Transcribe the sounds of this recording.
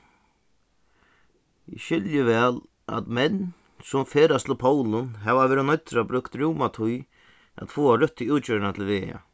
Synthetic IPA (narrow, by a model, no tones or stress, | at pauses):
ɪ̰ʃɪljɪʋɛːl | a̰t̪mɛnː | sʊmfeːɾast̪llpʰoːwlʊnɦɛvaveːɾɪnɔjt̪ːɾabɾʏkt̪ɾuwmat̪ʰʊj | a̰t̪foːaɾʏht̪ːiuwt̪t͡ɕœːɾnat̪ʰɪlʋḛːa̰